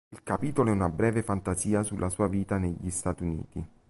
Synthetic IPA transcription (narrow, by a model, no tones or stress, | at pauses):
ilkapiːt̪oloɛunabɾɛːvefant̪aziːasulːʔasuːaviːt̪aneʎːist̪at̪unḭːt̪i